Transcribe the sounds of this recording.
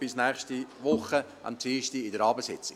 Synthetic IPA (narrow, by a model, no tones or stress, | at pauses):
b̥ɪsnɛːχʃtiʋʊχə | ʔɑ̰mt͡siːʃtiɪdəɾɑːbəsɪt͡sɪ